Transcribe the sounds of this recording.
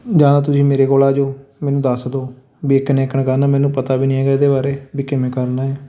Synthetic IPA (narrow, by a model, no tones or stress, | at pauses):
d͡ʒãːd̪at̪ʊsĩːmeːɾeːkoːlaːd͡ʒoːmɛːnũːd̪əsd̪oː | biːɪknɛːkəɳkəɾnaːmɛ̃ːnũːpət̪aːbiːnɪ̃ãːɡɛːd̪eːbaːɾeːbiːkɪmɛ̃ːkəɾnaːɛː